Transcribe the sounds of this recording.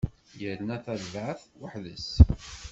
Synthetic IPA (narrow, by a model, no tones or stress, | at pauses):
jəɾnæθæðvʕθwəħðəs